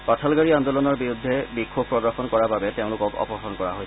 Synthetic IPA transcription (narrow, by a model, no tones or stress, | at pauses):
patʰalɡaɹiandolɔnɔɹbiɹud̪ʱːɛbikʰːob̚pːɹɔdɔɹxɔnkɔɹababɛteʊ̃lʊkɔkɔ̰pɔɹxɔnkɔɹaɦoj